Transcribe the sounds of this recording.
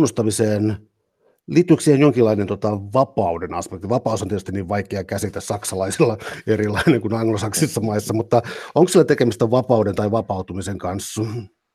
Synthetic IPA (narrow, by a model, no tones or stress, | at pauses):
nːust̪ɑmiseːn | liːt̪ːˑyiksihenjoŋkilːɑinent̪ot̪ɑʋɑpɑudenɑ̰spek̚t̪iʋɑpɑusonietyst̪iniːʋʋɑikeɑkæsit̪æssɑksɑlɑisilːɑerilɑineŋkunɑŋɡlosɑksisːɑmɑisːɑmut̪ːɑoŋksielːæt̪ekemist̪æʋɑpɑudent̪ɑiʋɑpɑut̪umiseŋkɑnsːɑ